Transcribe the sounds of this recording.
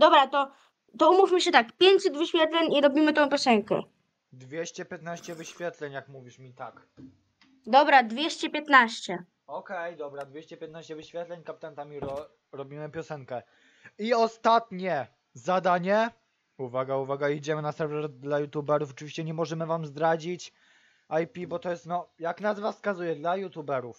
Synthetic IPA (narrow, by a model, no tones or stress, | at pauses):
d̪ɔbɾat̪ɔ | t̪ɔumufmɘɕɛt̪akpʲjeɲsɘd̪vɘɕfʲjɛt̪lɛɲiɾɔbʲimɘt̪ɔ̃w̃pʲjɔsɛŋkɛ̰ | d̪vʲjɛɕt͡ɕɛpʲjɛt̪naɕt͡ɕɛvɘɕfʲjɛt̪lɛɲjakmuvʲiʂmʲit̪ak | d̪ɔbɾad̪vʲjɛɕt͡ɕɛpʲjɛt̪naɕt͡ɕɛ | ɔkɛjd̪ɔbɾad̪vʲeɕt͡ɕɛpʲjɛt̪naɕt͡ɕɛvɘɕfʲjɛt̪lɛɲkapʲit̪ant̪amʲiɾɔ | ɾɔbʲimɘpʲjɔsɛŋkɛ | iɔst̪at̪ɲɛ | zad̪aɲɛ | uvaɡauvaɡaid͡ʑɛmɘnasɛɾvɛɾd̪lajut̪jubɛɾufɔt͡ʂɘvʲiɕt͡ɕɛɲɛmɔʐɛmɘvamzd̪ɾad͡ʑit͡ɕ | ajpʲibɔt̪ɔjɛst̪nɔjaknazvaskazujɛd̪lajut̪ubɛɾuf